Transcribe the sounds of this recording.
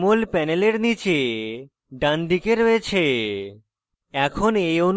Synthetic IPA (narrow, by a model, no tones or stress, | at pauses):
molpɛneleɾnit͡ɕe | ɖand̪ikeɾoet͡ɕʰe | ɛkʰonejon